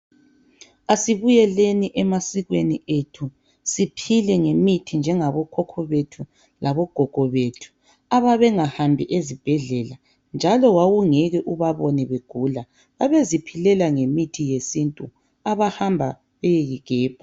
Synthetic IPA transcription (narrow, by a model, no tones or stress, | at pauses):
asiβujɛleniʔɛmasiɣwenietʰu | sipʰilɛŋemitʰind͡ʒʱɛŋaβɔkʰɔkʰɔβetʰu | lʔaβɔɡ̥ʱɔɡ̥ʱɔβetʰu̥ | aβaβɛŋahambʱiʔezib̥ʱɛɮɛla | nd͡ʒʱalɔwawuŋɛɣɛʔuβaβɔnɛβeɡ̥ʱula | βaβezipʰilɛlaŋemitʰijesintʼu | aβahambʱa | βɛjeɣiɡ̥ʱɛːb̥ʱa